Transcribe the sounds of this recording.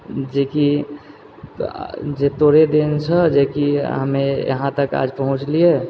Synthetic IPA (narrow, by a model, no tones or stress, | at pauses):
d͡ʒeki | d͡ʒet̪oɾed̪ent͡ʃʰəd͡ʒekiɦəmejə̰ɦãt̪əka̰d͡ʒpəɦũt͡ʃlije